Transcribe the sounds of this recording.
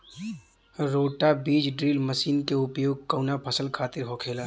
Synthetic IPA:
ɾoːʈabiːd͡ʒɖɾiːlməsiːnkeʊpjoːɡ̚kəwnapʰəsəlkʰaːt̪ɪɾɦokʰeːla

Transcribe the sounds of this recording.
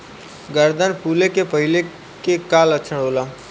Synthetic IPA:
ɡəɾd̪ənpʰuːlekepɐɦɪle | kekaːlətːʃʰəɳoːlaː

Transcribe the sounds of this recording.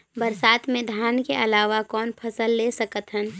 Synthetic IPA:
bəɾsaːt̪mẽd̪ʱjaːnkeʔəlaːʋakɔːnpʰəsəlːesəkət̪ɦən

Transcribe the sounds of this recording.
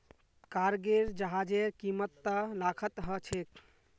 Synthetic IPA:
kaɾɡeɾd͡ʒəɦad͡ʒeɾkimət̪ːəlakʰət̪ɦət͡ʃʰek

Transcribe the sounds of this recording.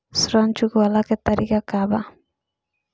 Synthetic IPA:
sɾant͡ʃukualaket̪aɾikakaβa

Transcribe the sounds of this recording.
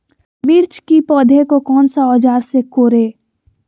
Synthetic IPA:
miːɾt͡ʃkipɔːd̪ʱekokɔːnsaɔːd͡ʒaːɾsekoːɾeː

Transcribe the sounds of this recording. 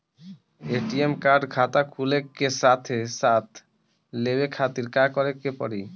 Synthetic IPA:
eʈiemkaɾɖɡʰʱat̪akʰulekːesat̪ʰesat̪ʰ | leβekʰat̪iɾkakɔɾekepɔ̰ɾi

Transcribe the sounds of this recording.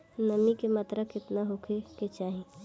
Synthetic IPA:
nɐmikemɐt̪ɾəkɪt̪naɦokʰeket͡ʃaːɦẽ

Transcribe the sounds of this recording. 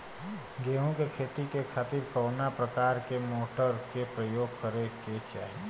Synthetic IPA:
ɡeːɦõkekʰeːt̪ikekʰaːt̪ɪɾkɔːnapɾəkaːɾkemoːʈəɾkepɾəjoːɡ̚kəɾeket͡ʃa̰ːɦie

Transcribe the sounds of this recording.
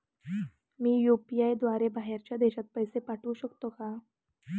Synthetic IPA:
miːjupijajd̪ʋaɾebaɦeɾt͡ɕjad̪eɕat̪̚pəjsepaʈʰuːɕəkt̪oka

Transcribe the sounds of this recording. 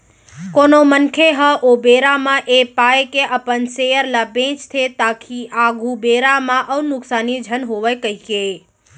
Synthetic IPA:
konomənkʰeɦəʔobeɾamãʔepajkeʔəpənsejəɾlabẽt͡ʃt̪ʰet̪akʰiʔaɡʱubeɾamãʔəwnʊksanid͡ʒʱənɦoʋəjkəɦike

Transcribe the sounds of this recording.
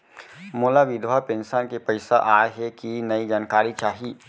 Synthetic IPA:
moːlaʋɪd̪ʱwapẽnʃənkepɐɪsaʔaːeɦɛkinɐid͡ʒaːnkaːɾit͡ʃaːɦiː

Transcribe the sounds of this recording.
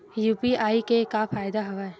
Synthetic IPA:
juːpiaːikekafaːjd̪aɦɐʋaːɛ

